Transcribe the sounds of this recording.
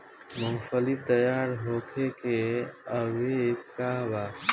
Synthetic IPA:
məŋfʰəlit̪əjaːɾɦokʰekeəʋekkaɦba

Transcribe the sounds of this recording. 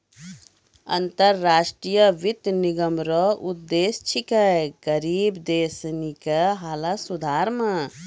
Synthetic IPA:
ɐ̰nt̪əɾːaːʃʈɾijəʋit̪niɡəmɾɔud̪ːeːst͡ʃʰikəɡəɾiːbd̪eːsnikəɦaːlasud̪ʱaːɾma

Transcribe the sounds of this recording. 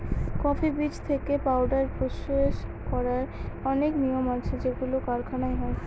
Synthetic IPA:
kɔfibit͡ɕt̪ʰekepawɖaɾpoʃoeʃ | kɔɾaɾɔneknijomat͡ɕʰed͡ʑeɡulokaɾkʰanaeɦɔe

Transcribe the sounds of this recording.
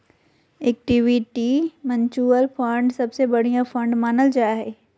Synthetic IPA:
eːk̚ʈiːʋiʈimɐ̃ɲt͡ɕuːəlfɐ̃ɳɖsɐbsebɐɽ̤ijãfɐ̃ɳɖmaːnəld͡ʑaːɦeː

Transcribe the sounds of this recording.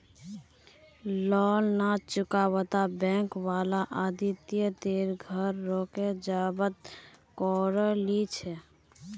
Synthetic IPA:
lɔːlnat͡ʃʊkawət̪abɛ̃ŋkwalaʔad̪it̪jəd̪eɾɡʱəɾːoked͡ʒabət̪̚kɔɾəlit͡ʃʰɛ

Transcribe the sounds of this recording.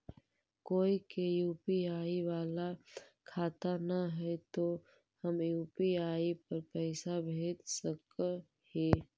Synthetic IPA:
koːikejuːpiaːiʋaːlakʰaːt̪anəɦɛt̪o | həmjuːpiaːipəɾpɛɪsabʱeːt̪sək | heː

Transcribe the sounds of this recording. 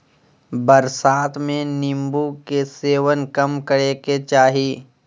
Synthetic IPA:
bəɾsaːt̪ʰmẽnɪ̃mbukeseːʋənkɐmkəɽeket͡ʃaːɦiː

